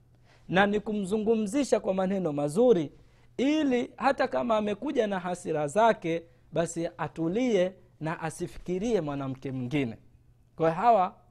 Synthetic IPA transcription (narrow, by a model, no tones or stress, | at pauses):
nanikum̩zuŋɡum̩ziʃakwamanɛnɔmazuɾi | ilihatakamaːmɛkuʄanaɦasiɾazakɛ | ɓasiatuliɛ | naʔasifi̥kiɾiɛmwanam̩kɛmiŋɡinɛ̰ | kwajɔɦawa